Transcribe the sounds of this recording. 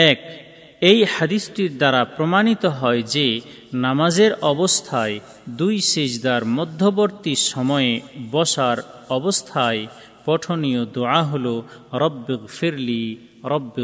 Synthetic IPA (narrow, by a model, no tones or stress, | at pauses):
ɛk | ejhad̪isʈiɾd̪aɾapɾomanit̪oɦɔed͡ʑe | namad͡ʑeɾɔbost̪ʰae | d̪ujʃed͡ʑd̪aɾmɔd̪ʱːoboɾt̪iʃɔmɔebɔʃaɾɔbost̪ʰae | pɔʈʰonijod̪uaɦoloɾɔbːeɣfiɾli | ɾɔbː